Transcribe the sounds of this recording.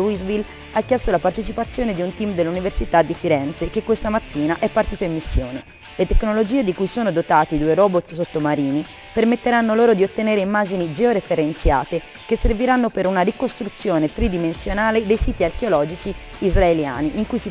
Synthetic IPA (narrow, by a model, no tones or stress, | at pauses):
uizvil | akːjɛst̪olapart̪et͡ʃipat̪sːjoːned̪iunt̪imd̪elːuniversit̪ad̪ːifiɾɛnt̪sekekːwest̪amat̪ːiːnaʔɛpːart̪iːt̪oimːisːjo̰ːne | let̪ekːnolod͡ʒiːed̪ikujsoːnod̪ot̪aːt̪id̪ueɾɔːbot̪sot̪ːomaɾiːni | permet̪ːeɾanːoloːɾod̪iot̪ːeneːɾeimːaːd͡ʒinid͡ʒɛoɾefeɾent̪sja̰ːt̪e | kesːerviɾanːopeɾunarikost̪ɾut̪sːjoːnet̪ɾid̪imensjonaːled̪ejsiːt̪iarkeolɔːd͡ʒit͡ʃiː | zraelja̰ːniʔiŋkujsi